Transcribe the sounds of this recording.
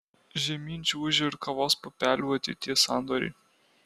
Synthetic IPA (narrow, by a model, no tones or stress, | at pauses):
ʒʲɛmʲinʲt͡ʃʲuʊʒʲɪɾkɐʋɔːspɔpʲæːlʲuɐt̪ʲɪ̰t̪ʲiɛsɑnd̪ɔɾʲɛ̰